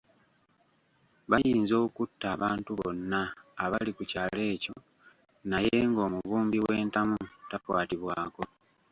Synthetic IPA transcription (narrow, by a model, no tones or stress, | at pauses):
βajiːnzo̞ːkutːaːβaːntuβo̞̰nːaːβalikucaːle̞ːco̞ | naje̞ŋɡo̞ːmuβuːmbiwe̞ːntamutapwaːtiβwaːko̞